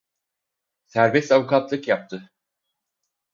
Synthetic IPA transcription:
sæɾbɛst̪avukʰat̪lˠɯkjap̚t̪ʰɯ

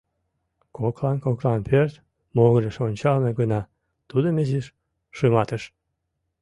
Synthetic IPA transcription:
koklɑnkoklˠɑnpʰørt̪ | moɣəɾʲəʃonʲt͡ɕɑlmeɡɤnɑ | t̪ud̪əmeziʃ | ʃɨmɑt̪əʃ

